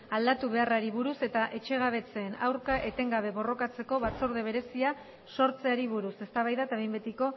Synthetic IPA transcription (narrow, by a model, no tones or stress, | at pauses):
ald̪at̪uβ̞e̞araɾiβ̞uɾuse̞t̪aʔe̞t͡ʃe̞ɣ̞aβ̞e̞t͡se̞ːna̰wɾkaʔe̞t̪e̞ŋɡaβe̞βo̞ro̞kat͡se̞ko̞βat͡so̞ɾð̞e̞β̞e̞ɾe̞sia | so̞ɾt͡se̞aɾiβuɾuse̞st̪aβajðat̪aβejmbet̪iko̞